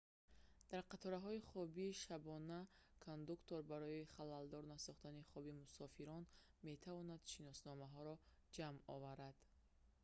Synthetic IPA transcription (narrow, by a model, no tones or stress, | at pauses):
d̪̥aɾqat̪ʰɔɾaɦɔiχɔbiːʃabɔnakʰond̪ukt̪oɾbaɾɔiχalald̪ɔɾnasɔχt̪aniχɔbimusɔfiɾɔn | me̞t̪ʰavɔnad̪̥ʃinɔsnɔmaɦɔɾɔ | d͡ʒamɔvaɾad̪̥